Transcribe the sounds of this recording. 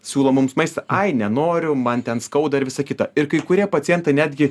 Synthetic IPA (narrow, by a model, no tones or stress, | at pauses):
sʲuːlˠomʊmsmɐɪst̪ɐʔɐɪnʲɛnoːɾʲʊmɐnt̪ʲɛnskɐʊd̪ɐɪɾʋʲɪsɐkʲɪt̪ɐɪɾkɐɪkʊɾʲiɛpɐtt͡s̪ʲiɛnt̪ɐɪnʲæːd̪ʲɡʲɪ